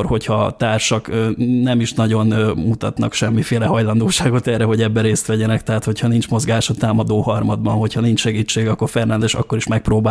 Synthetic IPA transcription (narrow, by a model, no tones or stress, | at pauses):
rho̞chɒt̪aːrʃɒkːnɛmiʃnɒɟo̞nmut̪ɒt̪nɒ̰kʃɛmːifeːlɛɦɒjlɒnd̪oːʃaːɡo̞t̪ɛrːɛɦo̞ɟɛbːɛɾeːst̪ʋɛɟɛnɛkt̪ɛɦat̪ho̞chɒnint͡ʃmo̞zɡaːʃɒt̪aːmɒd̪oːhɒrmɒd̪̚bɒnɦo̞chɒnint͡ʃʃɛɡiːt͡ʃːeːɡɒkːo̞rfɛrnɛnd̪ɛʃɒ̰kːo̞ɾiʃmɛk̚proːbaː